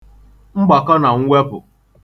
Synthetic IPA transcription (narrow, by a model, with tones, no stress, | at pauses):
ŋ͡m̩˦ɡ͡ba˨ka˦na˨ŋ̩˦ŋʷwʷe˦bʊ̰˨